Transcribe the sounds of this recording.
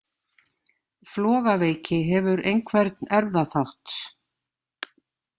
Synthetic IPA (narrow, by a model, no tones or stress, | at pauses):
flɔːɣaveːjcɪɦɛvʏɾejnkʰvɛɾt̪nɛɾvðaθawht̪